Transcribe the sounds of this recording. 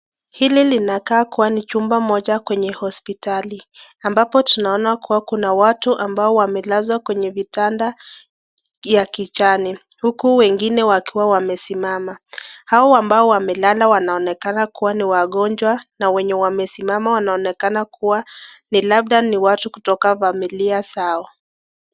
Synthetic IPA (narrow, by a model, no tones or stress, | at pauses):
hililinakaːkuwanit͡ʃumbamɔʄakwɛɲɛhɔspitaliambapɔtunaɔnakuwakunawatuʔambaɔwamɛlazwakwɛɲɛvitanda | jakit͡ʃani | hukuwɛŋɡinɛwakiwawamɛsimamahaɔambaɔwamɛlalawanaɔnɛkanakuwaniwaɠɔnd͡ʒwanawɛɲɛwamɛsimamawanaɔnɛkanakuwanilab̚ɗaniwatuku̥tɔkafamiliasaɔ